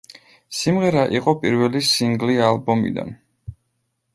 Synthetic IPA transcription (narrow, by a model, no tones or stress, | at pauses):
simʁɛɾaʔiqʼɔpʼiɾvɛlisiŋɡlialˠbɔmḭd̪a̰n